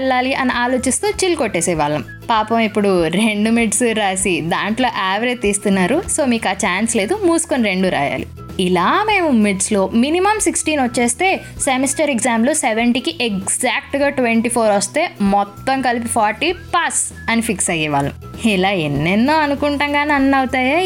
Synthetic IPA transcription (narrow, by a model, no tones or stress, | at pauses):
ɛlːaːliʔɐniʔaːlo̞ːt͡ʃist̪uːt͡ʃilkoʈːeːsɛʋaːɭːɐm | paːpɐmipːuɽuɾeɳɖumiʈsuɾaːsid̪aːɳʈlo̞ːʔaːʋɾet̪ːiːst̪unːaːɾuso̞ːmiːkaːt͡ʃaːnsle̞ːd̪umuːsu̥koniɾe̞ɳɖuɾa̰ːja̰ːlḭ | ilaːme̞ːmumiʈslo̞ːminimɐmsiksʈiːnʋɐt͡ʃːeːst̪e̞ː | semisʈɐɾekzaːmluseʋeɳʈikiʔeɡzaːk̚ʈɡaːʈʋeɳʈiːpʰoːɾʋɐst̪e̞ːmɔt̪ːɐŋkɐlipipʰaːɾʈipɐs | ɐnipʰiksɐjiʋa̰ːlːɐ̰milaːenːenːoːɐnukuɳʈɐŋɡaːnɐnːɐwut̪aːjaː